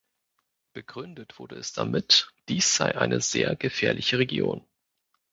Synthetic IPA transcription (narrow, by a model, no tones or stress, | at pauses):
b̥əɡʁʏndətv̥ʊɐdəɛsd̥amɪtd̥iːsz̥aɪʔaɪnʔəzeːɐɡəfɛːɐlʔɪçəʁ̞eɡjo̰ːn